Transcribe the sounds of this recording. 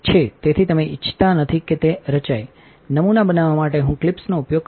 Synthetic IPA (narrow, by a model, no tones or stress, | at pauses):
t͡ʃʰet̪et̪ʰit̪əmeʔɪt͡ʃʰːt̪anət̪ʰiket̪eɾət͡ʃaj | nəmunabənaʋamaʈeɦũklɪpsnoupjoɡ̚